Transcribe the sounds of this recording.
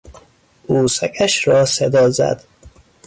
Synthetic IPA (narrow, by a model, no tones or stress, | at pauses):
uːsækʰæʃɾɒːsed̪ɒːzæ̰d̪̥